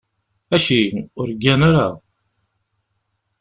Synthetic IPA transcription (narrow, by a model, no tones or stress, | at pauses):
æʃiʊɾɡænaɾa